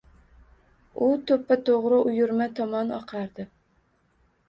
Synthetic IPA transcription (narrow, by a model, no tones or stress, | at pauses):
ʊt̪ʰɵpːat̪ʰoʁɾɨʔʊjʊɾmɛt̪ʰɒmɑnɑ̰qʰɑɾd̪ɪ